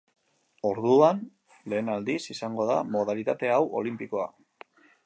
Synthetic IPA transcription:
o̞ɾðuan | le̞ːnald̪isisaŋɡo̞ð̞a̰mo̞ð̞alit̪at̪e̞awʔo̞̰limpiko̞a̰

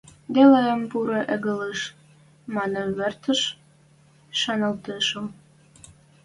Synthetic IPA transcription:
d̪eleəmpuɾoʔeɣəleʃ | mɑnəβert̪ə̆ʃ | ʃɑnə̆lt̪eʃə̆m

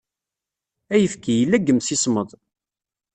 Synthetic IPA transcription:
æjəfkijəlːæɡːəmsisməðˤ

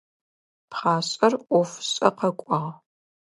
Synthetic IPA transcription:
pχaːɕʼɐrʔʷɔfɕʼɐqɐkʷʼɑʁ

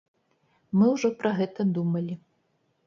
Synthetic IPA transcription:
mɨwʐɔpɾɐɣɛt̪ɐd̪umɐlʲi

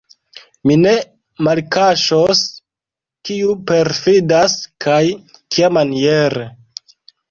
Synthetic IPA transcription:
mine̞ | malkaʃos | kiupe̞ɾfidaskʰajkiamanieɾe

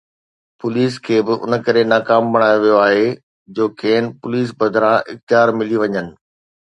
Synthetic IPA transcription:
pʊliːskʰeːbɪʔʊ̰nə̆kɐɾenaːkaːmbɐɽ̃aːjoʋijoaːɦe | d͡ʑoːkʰeːnɪpʊliːs̬bɐd̪ʱɾãʔɪ̰xt̪ɪjaːɾmɪliʋɐɲənɪ̆

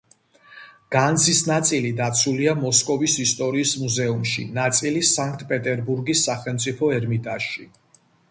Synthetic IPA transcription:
ɡ̥and̪zisnat̪sʼilid̪at̪sʰuliamɔskʼɔvisist̪ʼɔɾiːsmuzɛumʃḭnat̪sʼilisaŋk̚ʰt̪ʼpʼɛt̪ʼɛɾbuɾɡisːaχɛlˠmt̪sʼipʰɔɛɾmit̪ʼaʃḭ

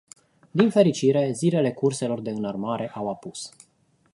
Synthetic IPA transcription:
d̪infe̞ɾit͡ʃiɾe̞zile̞le̞kurse̞lo̞rd̪e̞ɨnarmaɾe̞ʔawapus

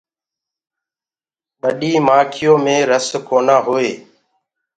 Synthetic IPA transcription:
ɓəɗiːmaːkʰɪjõːmẽːɾəskoːnaːɦoːeː

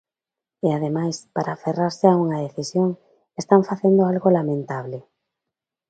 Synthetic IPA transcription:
eaðemajspaɾʔaːferaɾsɪauŋɐðeθisjoŋ | est̪aɱfaθend̪oalɣolamẽnt̪aβ̞lɪ

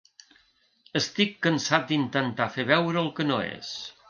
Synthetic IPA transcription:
əst̪ikːənsat̪̚d̪int̪ənt̪afeβɛwɾəːlˠkənoḛs

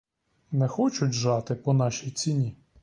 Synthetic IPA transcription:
nɛxɔt͡ʃʊtʲʒɑt̪ɪpɔnɑʃʲijt͡sʲinʲi

